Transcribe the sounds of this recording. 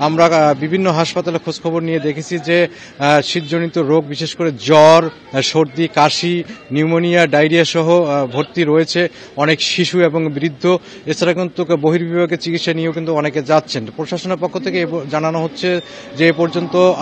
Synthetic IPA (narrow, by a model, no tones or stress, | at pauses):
amɾabibʱinːoɦaʃpat̪alekʰod͡ʑkʰɔboɾnijed̪ekʰet͡ɕʰid͡ʑe | ʃit̪̚d͡ʑonit̪oɾoɡ̚biʃeʃkoɾed͡ʑɔɾ | ʃoɾd̪ikaʃiniumonijaɖajɾiaʃɔɦobʱoɾt̪iɾojet͡ɕʰe | ɔnekʃiʃueboŋbɾid̪ʱːo | et͡ɕʰaɾakint̪ukboɦiɾbibʱaɡet͡ɕikit̪ʃanieeokint̪uɔneked͡ʑatːɕʰenpɾoʃaʃoneɾpokʰːot̪ʰekeed͡ʑananoɦotːɕʰe | d͡ʑeepɔɾd͡ʑont̪o